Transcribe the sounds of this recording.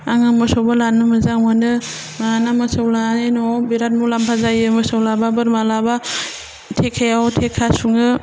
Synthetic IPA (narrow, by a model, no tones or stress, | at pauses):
aŋɯmɯsɔwbalanɯmɯzaŋanɯ | maanamɯsawlanenɔbiɾat̚mulampʰazajɯmɯsawlababɯɾmalaba | tʰekʰajawtʰekʰasuŋɯ